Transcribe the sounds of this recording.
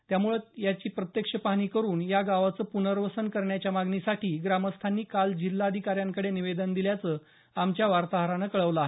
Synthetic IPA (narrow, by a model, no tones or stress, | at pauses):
t̪jamuɭəjat͡ɕiːpɾət̪jəkʂəpaɽ̃iːkəɾuːnjaɡaʋat͡səːpunəɾʋəsənkəɾɳjat͡ɕjamaɡɳisaʈiːɡɾaməst̪ʰanːiːkald͡ʑilːad̪ʱikaɾjaŋkəɽeniʋed̪ənd̪iljat͡səː | amt͡ɕjaʋaɾt̪aɦɾanəkəɭəʋləaɦe